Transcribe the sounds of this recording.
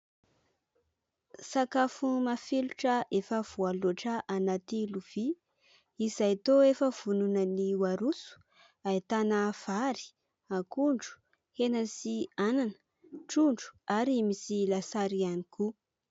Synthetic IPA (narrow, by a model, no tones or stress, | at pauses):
sakafumafiluʈ͡ʂəʔefəv̥ualoaʈ͡ʂəʔanat̪iluv̥i | izajat̪oefəv̥ununəniwaɾusu̥ | ait̪anav̥aɾi̥ | akuɳɖ͡ʐu̥ | henəsiananə̥ | ʈ͡ʂuɳɖ͡ʐu̥aɾimisilasaɾianiku